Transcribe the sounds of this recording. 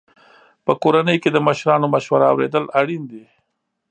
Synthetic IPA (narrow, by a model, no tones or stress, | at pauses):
pəkoɾanəjked̪əməʃɾɑnoməʃwaɾaːwɾḛd̪əlaɽind̪e